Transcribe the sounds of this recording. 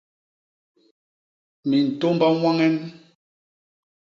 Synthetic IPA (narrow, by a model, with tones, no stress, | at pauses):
mi˨n̩˨to˦mba˦ŋwa˦ŋɛ˦n